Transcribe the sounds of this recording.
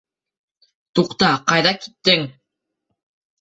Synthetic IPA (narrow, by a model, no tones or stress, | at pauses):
t̪uqt̪ɑqɑjðɑki̥t̪ːɪŋ